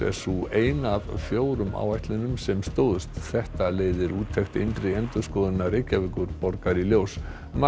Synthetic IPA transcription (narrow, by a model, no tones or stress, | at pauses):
ɛ̰̥sueːjnaðfjoːwɾʏmʔa̰wajht̪lɪnʏmsɛmst̪oːwðʏst̪θɛht̪aleːjðɪɾuːt̪ʰːɛxt̪ɪ̰jnt̪ɾɪɛnt̪ʏskɔːðɪnːarejcavɪkʏɾpɔɾkaɾiljoːws | ma